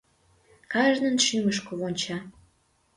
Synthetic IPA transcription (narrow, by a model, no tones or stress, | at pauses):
kɑʒnənʃyməʃkoβonʲt͡ɕɑ